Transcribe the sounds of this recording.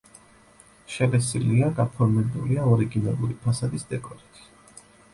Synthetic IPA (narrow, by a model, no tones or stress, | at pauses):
ʃɛlɛsiliaɡapʰɔɾmɛbuliaɔɾiɡinalˠuɾipʰasad̪isd̪ɛkʼɔɾit̪ʰʼi̥